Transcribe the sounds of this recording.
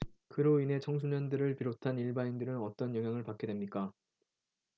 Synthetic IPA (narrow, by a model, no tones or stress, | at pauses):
kɯɾoine̞t͡ɕʰʌŋs̬ʰuɲʌndɯɾɯɭpiɾotʰaniɭbaindɯɾɯnʌt͈ʌnjʌŋɦjaŋɯɭpak͈e̞dwe̞mɲik͈a